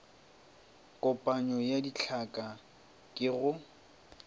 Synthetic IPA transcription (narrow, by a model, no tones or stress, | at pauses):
kʼɔpʼaɲɔjadit͡ɬʰakʼa | kʼɪɣʊ